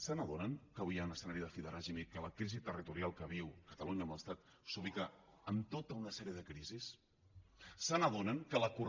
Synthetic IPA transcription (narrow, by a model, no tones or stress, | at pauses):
sənəðonəŋkəβujawnəsənaɾiðəfiðəɾaʒimikələkɾizit̪ərit̪uɾialˠkəβ̞iwkət̪əluɲəːməlˠəst̪at̪ | suβikəː | mt̪ot̪əunəsɛɾiəðəkɾizis | sənəðonəŋkələkur